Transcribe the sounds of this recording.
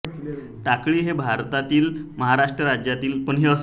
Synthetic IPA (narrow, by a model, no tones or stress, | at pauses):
ʈ̪akɭiːɦebʱaɾt̪at̪iːlməɦaɾaʂʈɾəɾad͡ʑjat̪iːlpəɳɦeəs